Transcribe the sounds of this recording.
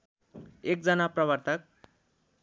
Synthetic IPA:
ek̚d͡zʌnaprʌβʌrt̪ʰʌk̚

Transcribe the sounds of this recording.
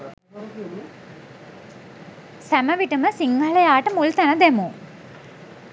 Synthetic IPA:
sɐmɐʋiʈumɨsiŋɡɐɭɐjaːʈːɨmult̪ɐnɐd̪emu

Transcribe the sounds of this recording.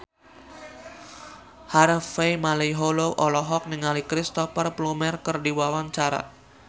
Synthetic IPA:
harfejmalejɦoloʔɔlɔɦɔk̚niŋalikɾist̪ɔfərplumɛrkərdiwawaɲt͡ʃaɾa̰

